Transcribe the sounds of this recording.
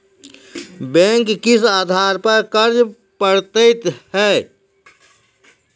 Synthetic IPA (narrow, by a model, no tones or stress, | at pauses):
bɛ̃ːŋkːɪsaːd̪ʱaːɾpəɾkəɾd͡ʒ | pəɽt̪əɪt̪hɛː